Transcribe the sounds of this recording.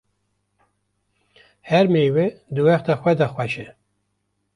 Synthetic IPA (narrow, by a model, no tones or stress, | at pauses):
hɛɾmejwed̪ɨwɛxt̪ʰaxʷɛd̪ɑxʷɛʃɛ